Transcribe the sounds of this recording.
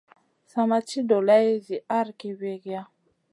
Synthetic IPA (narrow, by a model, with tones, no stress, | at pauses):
sa˨ma˦t͡ʃi˦do˨la˦e˦zi˨a˦ɾki˦we˦ɡja˦